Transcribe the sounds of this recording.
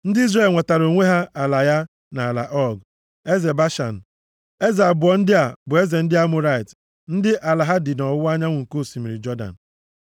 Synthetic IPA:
n̩˦dɪ˦i˦zɾe˦˨lŋʷa˨ta˨ɾo˨ŋʷe˦ɦa˦ʔa˨la˨ja˦ | na˨la̰˨ʔɔ˦ɡ | e˦ze˨ba˦ʃa̰˨n̩˨ | e˦za˨bʊ˨ɔ˨n̩˦dɪ˦a˨bʊ˨e˦ze˨n̩˦dɪ˦a˦mʊ˦ɾa˦i˨t | n̩˦dɪ˦ʔa˨la˨ɦa˦dɪ˨nɔ˨ʊ˦a˦ɲa˦ŋʷʊ˨ŋ̩˨ko˦˨si˨mi˨ɾi˨d͡ʒɔ˦da̰˨n̩˨

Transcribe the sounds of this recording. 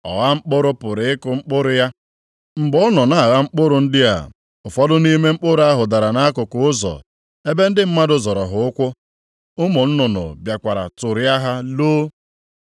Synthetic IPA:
ɔ̰˨ɣa˦ŋ͡m̩˦k͡pʊ˦ɾʊ˦pʊ˨ɾɪ˨˦ɪ˦kʊ˨ŋ͡m̩˦k͡pʊ˦ɾʊ˦ja˦ | ŋ͡m̩˨bɔ˦nɔ˨na˨a˨ɣa˦ŋ͡m̩˦k͡pʊ˦ɾʊ˨n̩˦dɪ˦a̰˨ | ʊ˨fɔ˦dʊ˦ni˦me˦ŋ͡m̩˦k͡pʊ˦ɾʊ˦a˦ɦʊ˨da˨ɾa˨na˦kʊ˨kʊ˨˦ʊ˦zɔ̰˨ | e˦be˦n̩˦dɪ˦m̩˦ma˦dʊ˦zɔ˨ɾɔ˨ɦʊ˨ʊ˦kʷʊ˦ | ʊ˦mʊ˨n̩˦nʊ˨nʊ̰˨bja˨kʷa˨ɾa̰˨tʊ˨ɾɪ˦a˦ɦa˦loː˦

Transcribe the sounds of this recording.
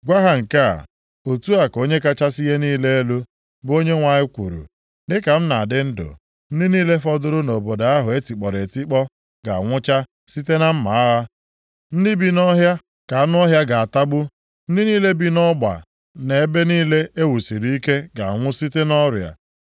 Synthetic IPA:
ɡʷa˦ɦa˨ŋ̩˨ka̰˦˨ | o˨tu˦a˨ko˦ɲe˦ka˦t͡ʃa˦si˦ɦe˦niː˦le˦e˦lu˦ | bo˦ɲe˦ŋʷa˨ɲɪ˦kʷṵ˨ɾṵ˨ | dɪ˦ka˨m̩˦na˨dɪ˦n̩˦dʊ̰˨ | n̩˦dɪ˦niː˦le˦fɔ˦dʊ˦ɾʊ˦no˨bo˨da˨a˦ɦʊ˨e˦ti˨k͡pɔ˨ɾe˨ti˦k͡pɔ˦ | ɡa˨ŋʷʊ˦t͡ʃa˦ | si˦te˦na˦m̩˦ma˨˦a˦ɦa˦ | n̩˦dɪ˦bi˦nɔ˦ɦja˦ | ka˨a˦nʊ˦ɔ˦ɦja˦ɡa˨a˨ta˦ɡ͡bʊ˦ | n̩˦dɪ˦niː˦le˦bi˦nɔ˦ɡ͡ba̰˨ | ne˨e˦be˦niː˦le˦ʔe˦wu˨si˨ɾi˦ke˦ɡa˨ŋʷʊ˦si˦te˦nɔ˦ɾja̰˨

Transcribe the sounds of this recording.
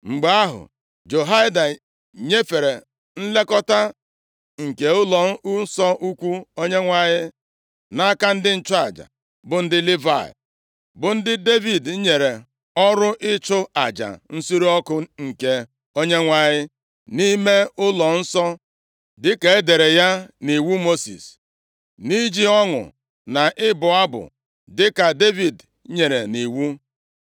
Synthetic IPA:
ŋ͡m̩˨ɡ͡ba˦a˦ɦʊ̰˨ | d͡ʒo˨ɦa˦ɪ˦da˨ | ɲe˦fe˨ɾe˨ | n̩˦le˦kɔ˦ta˦ | ŋ̩˨ke˨ʊ˦lɔ˨˦u˦sɔ˦ʔu˦kʷu˦o˦ɲe˦ŋʷa˦ɲɪ˦ | na˦ka˦n̩˦dɪ˦n̩˦t͡ʃʊ˦a̰˨d͡ʒa̰˨ | bʊ˨n̩˦dɪ˦li˦va̰˨ɪ̰˨ | bʊ˨n̩˦dɪ˦de˦vi˨d̩˨˦ɲe˨ɾe˨ | ɔ˦ɾʊ˦ʔɪ˦t͡ʃʊ˦a˨d͡ʒa̰˨n̩˦su˦ɾi˦ɔ˦kʊ˦ŋ̩˨ke˦ | o˦ɲe˦ŋʷa˦ɲɪ˦ | ni˦me˦ʊ˦lɔ˨n̩˦sɔ˦ | dɪ˦ke˨e˦de˨ɾe˨ja˦ni˨wu˦mo˦sḭ˨s | ni˦d͡ʒi˦ɔ˦ŋʊ̰˨ | na˨ʔɪ˦bʊ˨a˦bʊ̰˨ | dɪ˦ka˨de˦vi˨d | ɲe˨ɾe˨ni˨wu˦

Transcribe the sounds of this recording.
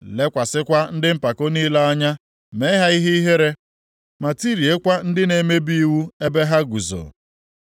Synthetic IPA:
le˦kʷa˨sɪ˦kʷa˦n̩˦dɪ˦m̩˦pa˨ko˦ni˦la˦a˦ɲa˦ | me˨˦ɦa˦i˦ɦe˦i˦ɦe˦ɾe˦ | ma˨ti˦ɾi˨e˦kʷa˦n̩˦dɪ˦ne˨me˦bi˦i˦wu˦e˦be˦ɦa˦ɡu˨zo̰˨

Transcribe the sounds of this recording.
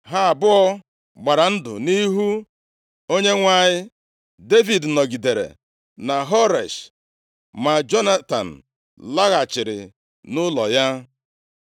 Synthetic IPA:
ɦa˦a˨bʊ˦ɔ˦ | ɡ͡ba˨ɾa˨n̩˦dʊ̰˨ni˦ɦu˦ | o˦ɲe˦ŋʷa˦˨ɲɪ˦ | de˦vi˨dnɔ˨ɡi˨de˨ɾḛ˨ | na˨ɦɔ˦ɾe˨ʃ | ma˨d͡ʒɔ˦na˦ta̰˨n̩˨ | la˦ɣa˨t͡ʃɪ˨ɾɪ̰˨ | nʊ˦lɔ˨ja˦

